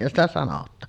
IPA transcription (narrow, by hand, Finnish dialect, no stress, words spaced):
stæ sɑnotˑɑːn